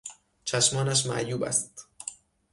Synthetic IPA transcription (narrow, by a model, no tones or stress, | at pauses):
t͡ʃʰæʃmɒːnæʃ̬mæ̰ʔjuːbæ̰st̪